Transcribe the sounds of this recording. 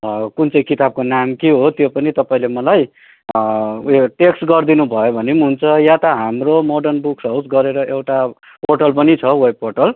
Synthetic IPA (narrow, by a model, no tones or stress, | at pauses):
kunt͡sʌĩkit̪ab̚konamkeɦot̪jopʌnit̪ʌpaĩlemʌlaj | jʈeksʈɡʌrd̪inubʱʌjobʱʌnimɦunt͡sʰʌjat̪ʌɦamromoɖʌrnbuksʌwsɡʌɾeɾʌʔewʈa | porʈʌlpʌnit͡sʰʌwʌjporʈʌl